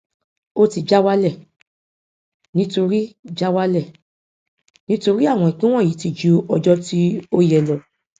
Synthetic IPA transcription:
o˦ti˧d͡ʒa˦wa˦lɛ˦˨ | nĩ˦to˧ɾi˦d͡ʒa˦wa˦lɛ˦˨ | nĩ˦to˧ɾi˦a˦˨w̃ɔ̃˧i˨k͡pĩ˦w̃ɔ̃˦˨i˨˦ti˧˨d͡ʒu˨˦ɔ˧d͡ʒɔ˦ti˦o˦jɛ˨lɔ˨

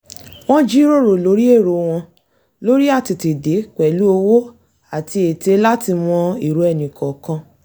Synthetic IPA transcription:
w̃ɔ̃˦d͡ʒi˦ɾo˦˨ɾo˨lo˨˧˦ɾi˦e˦˨ɾo˨w̃ɔ̃˧ | lo˦ɾi˦a˦˨ti˧te˨de˨˦k͡pɛ˨lu˨˦o˧wo˦ | a˨ti˧e˨te˧la˦ti˧mɔ̃˧i˨ɾo˨ɛ˧nĩ˨kɔ˨kã˧

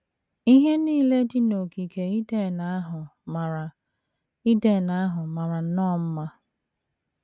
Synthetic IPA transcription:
i˦ɦe˦niː˦˨le˦di˦no˨ki˨ke˨i˦de˦˨na˨˦a˦ɦʊ˨ma˨ɾa˨ | i˦de˦˨na˦a˦ɦʊ˨ma˨ɾa˨n̩˦nɔ˦˨m̩˦ma˦

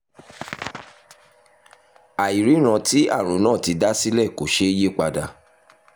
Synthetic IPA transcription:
a˨i˨ɾi˨˦ɾ̃ã˧ti˦a̰˦˨ɾ̃ũ˨˦nãː˦˨ti˧da˦si˦lɛ˦˨ko˨˦ʃe˦je˦˨k͡pa˧da˧

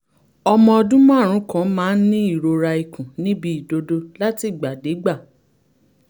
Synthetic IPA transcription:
ɔ˧mɔ̃˧ɔ˧dũ˦m̃˦a˦˨ɾ̃ũ˨˦kã˨˦mãː˦˧n̩˦nĩ˦i˦˨ɾo˧ɾa˧i˨kũ˨nĩ˦bi˦i˨do˧do˧la˦ti˦˨ɡ͡ba˨de˨˦ɡ͡ba˦˨

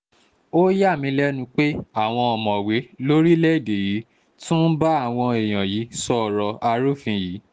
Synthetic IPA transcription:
o˦ja˦˨mĩ˧˦lɛ˦nũ˧k͡pe˦a˦˨w̃ɔ̃˧ɔ˨mɔ̃˨we˨˦lo˦ɾi˦lɛ˦i˦˨de˨ji˨˦ | tũ˦n̩˦ba˦a˦˨w̃ɔ̃˧e˨j̃ã˨ji˨˦sɔ˦˨ɾɔ˧a˧ɾu˦˨fĩ˧ji˨˦

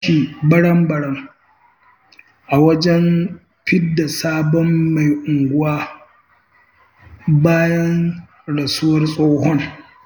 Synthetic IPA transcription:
i˨bɐ˦ɽɐ˦mbɐ˦ɽɐ˦m | ʔa˨wɐ˦d͡ʒɛ˦n | ɸɪ˦dːa˨saː˦bɔ˦mːa˨jʔʊ˨ŋɡʷʊ˦waː˦ | baː˦jɐ˦n | ɽɐ˨sʊ˦wɐ˦rsʼoː˦ɦɔ˦ŋ

